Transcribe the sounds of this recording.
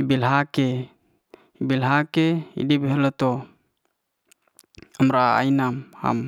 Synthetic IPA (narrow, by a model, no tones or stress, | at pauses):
ibilɦake | ibilɦakeḭdibeɦɛlat̪o | amɾaa̰inamha̰m